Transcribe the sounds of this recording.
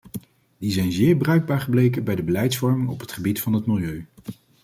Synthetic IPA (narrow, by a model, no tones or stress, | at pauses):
dizɛjnzɪːɹbrœɥɡ̚baːɹχəblejkənbɛjdəbəlɛjtsfɔɹmɪŋɔpɦətχəbitfɑnɦətmɪlˠjøɥ